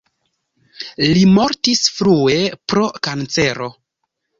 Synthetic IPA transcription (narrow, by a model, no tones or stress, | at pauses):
limo̞ɾtisfɾue̞pɾo̞kant͡se̞ɾo̞